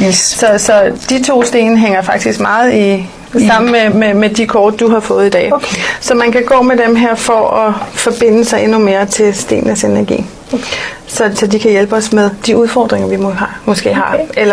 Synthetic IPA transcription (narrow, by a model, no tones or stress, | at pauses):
sɒ̽sɒ̽d̥it͡sʰo̝̰ːsd̥e̝̰ːnəɦeŋ̰ɐfɑ̈ɡ̥̚d̥isɡ̥mɑ̈ːð̞̩ˠi | sɑ̈m̰n̩mememed̥ikʰɒːd̥̚ːuɦɑ̈fɔ̽ːð̩ˠid̥ɛ̰ːsɒ̽mænkʰæɡ̥ɔ̰̽ːmedemɦeɐ̰fɒ̽ɒfɒ̽b̥e̝n̰əsɑ̈ɪʔenume̝ːɐt͡sʰe̝lsd̥e̝̰ːnnəsenæɐɡ̥ḭː | sɒ̽sɒ̽dikʰæjelb̥əɒ̽smeðˠd̥iuð̞ˠfɒ̰ːd̥ʁeŋɐʋimohɑmɔ̽sɡ̥e̝̰ːɦɑ̈elɐ